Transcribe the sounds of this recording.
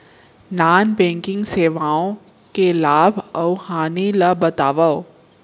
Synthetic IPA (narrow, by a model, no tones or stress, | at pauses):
naːnbɛ̃ːŋkɪ̃ŋɡseːʋaːõ | kelaːbʱɐwhaːnilɐbɐt̪aːʋəo